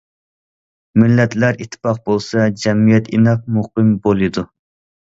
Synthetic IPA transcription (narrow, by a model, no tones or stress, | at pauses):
mɪlːɛt̪læɾit̪ʰːɪ̥pɑq̚bolˠsɑd͡ʒɛmijɛt̪ʰinɑq̚muqɨmbolˠɨd̪u